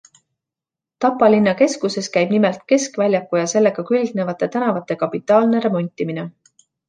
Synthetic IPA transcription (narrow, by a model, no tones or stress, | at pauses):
t̪ɑpːˑɑlinːɑke̞skuse̞skæjb̥nimelt̪̚ke̞skvælʲjɑkːujɑse̞lːeɡ̥ɑkylɡ̥ne̞vɑt̪ːˑe̞t̪ænɑvɑt̪ːˑe̞kɑpːˑit̪ˑːɑːlne̞ɾe̞mo̞nʲt̪ʲːimine